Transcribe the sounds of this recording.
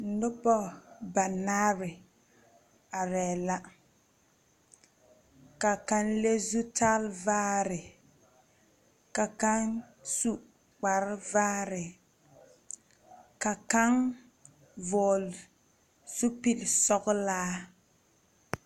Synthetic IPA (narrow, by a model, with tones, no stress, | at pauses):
n̩˨˦dʊ˦pɔ˦ba˨naː˦ɾɪ˨ | a˨ɾɛː˨la˦ | ka˨ka˦nle˦zu˦taː˦lvaː˦ɾɪ˨ | ka˨ka˦n | su˦ | k͡pa˨ɾɪ˦vaː˦ɾɪ˨ | ka˨ka˦ŋ | vɔː˨l | su˦pi˦lsɔ˦ɡʊ˦laː˦